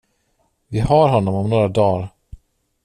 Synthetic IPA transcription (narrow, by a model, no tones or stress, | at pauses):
vɪhaɾɦɔnːɔmɔmnoːɾad̪ɑːɾ